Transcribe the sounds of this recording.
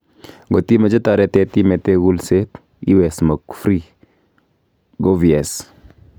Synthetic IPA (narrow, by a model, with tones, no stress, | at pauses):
ɡo˨ti˦me˨d͡ʒe˦ta˨ɾɛ˨tɛ˨ti˦me˨te˦ɡu˦lse˦t | ḭ˦wɛ˨smo˨kfɾi˦ | ɡo˦vi˨ɛ˨s